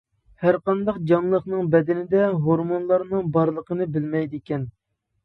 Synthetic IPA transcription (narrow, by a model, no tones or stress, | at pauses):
hæɾqɑnd̪ɑqd͡ʒɑmlˠəχnɨŋbɛd̪ɪnɪd̪ɛɦoɾmonlˠɑɾnɨŋbɑɾlˠəqʰənɨbɪlmɛjd̪ekʲɛn